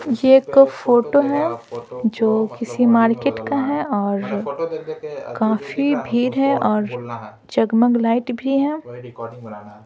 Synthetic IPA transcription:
jeekfoːʈoɦɛd͡ʒoːkɪsimaːɾkeːʈkaɦɛɔːɾ | kaːfibʱiːɾɦɛʔɔːɾ | d͡ʒɐɡməɡlaːɪʈbʱiɦɛː

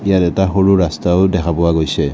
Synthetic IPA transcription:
ijatɛtaxoɹuɹastaʊdɛkʰapɔwaɡojsɛ

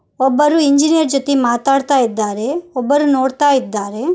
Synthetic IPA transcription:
ɔbːɐɾuiɲd͡ʒinijɐɾd͡ʒot̪imaːt̪aːɽt̪aːid̪ːaːɾeɔbːɐɾunoːɽt̪aːjid̪ːaːɾe

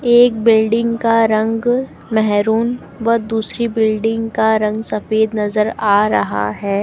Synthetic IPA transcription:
eːk̚bɪlɖɪ̃ŋɡkaɾɐ̃ŋɡ | mɛɦɾuːn | ʋɐd̪uːsɾibɪlɖɪ̃ŋɡkaɾɐ̃ŋɡsɐfeːd̪nɐzəɾaːɾɐ̰ɦa̰ɦɛː

